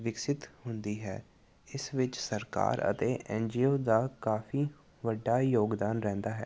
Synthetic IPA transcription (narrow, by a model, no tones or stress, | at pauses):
ʋɪksɪt̪ɦʊnd̪iːɦɛ̰ː | ɪsʋɪt͡ʃsəɾka̰ːɾə̰t̪eːʔɛ̃ːnd͡ʒiːoːd̪aːkaːfʰiː | ʋəɖːaːjoːɡd̪aːnɾɛ̃ːnd̪aːɦɛː